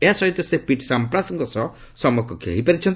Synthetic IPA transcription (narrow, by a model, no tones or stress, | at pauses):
easɔɦit̪ɔsepiʈsampɾasɔŋkɔsɔsɔmɔkɔkḛɦipaɾit͡ʃʰɔn